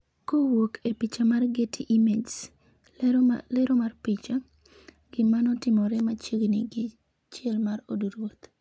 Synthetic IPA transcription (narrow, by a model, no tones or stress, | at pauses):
kowokʰepit͡ʃamarɡetʰiʔimed͡ʒs | lɛɾomarpit͡ʃa | ɡ̥ɪmanɔtɪmɔɾɛmat͡ʃeɡnɪɡɪ | t͡ʃɛlmaɾoduɾwot̪